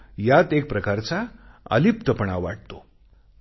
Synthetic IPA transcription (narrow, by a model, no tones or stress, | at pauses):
jat̪ek̚pɾəkaɾt͡saə̰lipt̪əpəɳaʋʋaʈ̚t̪o